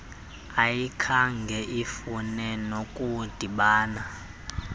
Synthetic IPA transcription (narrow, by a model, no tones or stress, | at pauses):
ajikʰaŋɡʱɛʔifunɛnokʼud̥ʱiɓaːna